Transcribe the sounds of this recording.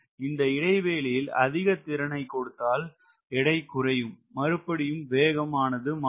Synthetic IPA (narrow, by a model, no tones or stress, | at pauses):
ɪnd̪ɐɪɽɐɪʋeːlɪjɪlɐ̰ðɪɣɐt̪ːɪɾɐɳɐɪkːɔɽɯt̪ːaːl | ɛɽɐɪkːʊrɐjɯmːɐɾɯpːɐɽɪjɯmʋeːɣɐmaːnɐðɯm